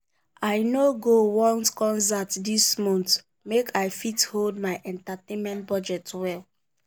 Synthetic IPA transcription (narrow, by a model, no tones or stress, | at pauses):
aɪnoɡowɔ̃ntkɔ̃nzatdismɔ̃nt | mekʰaɪfitholdmaɪʔɛ̃ntatẽnmɛ̃nt̚bɔd͡ʒɛtwɛl